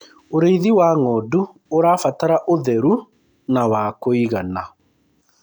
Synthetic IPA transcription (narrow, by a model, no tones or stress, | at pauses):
oɾeiðiwaŋɔdu | oɾaːfataɾaʔoðɛɾu | nawaːkoiɣana